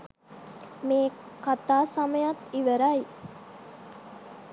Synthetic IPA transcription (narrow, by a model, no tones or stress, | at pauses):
meː | kat̪aːsaməjat̪iʋəɾai